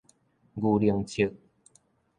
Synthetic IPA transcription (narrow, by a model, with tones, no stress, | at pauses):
ɡu˧li˧əŋt͡ɕʰi˧˦k̚